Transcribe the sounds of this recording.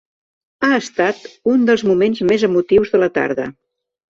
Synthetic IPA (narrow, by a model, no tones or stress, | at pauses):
aəst̪at̪und̪əlˠzmumenzmezəmut̪iwzðələt̪a̰ɾðə̰